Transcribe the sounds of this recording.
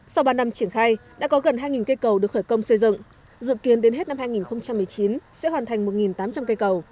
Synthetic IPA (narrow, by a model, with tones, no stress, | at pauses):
sa˧wɓaː˧na˧mt͡ɕi˧˩ənxaː˧jɗa̰ː˧˥kɔ˨˦ɣə˨˩nɦaː˧jŋi˨˩nkə˧jkə˨˩wɗək̚xəː˧˩jkə˧wŋ͡msə˧jzɨ̰˧˨ŋ | zɨ̰˧˨ki˨˦ənɗe˨˦nɦe˦˥t̚na˧mhaː˧jŋi˨˩nxə˧wŋ͡mt͡ɕa˧mːɨ˨˩əjt͡ɕi˨˦nsɛ̰˧˥hwaː˨˩nt̪ʰa˨˩jŋ̟mo˨˩t̚ŋi˨˩nt̪aː˨˦mt͡ɕa˧mkə˧jkə˨˩w